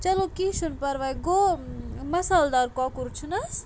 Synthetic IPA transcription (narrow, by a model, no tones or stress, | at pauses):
t͡ʃɐlokisunpɐɾʋajɡo | mɐsaːld̪aɾkɔkuɾt͡ʃʰunɐs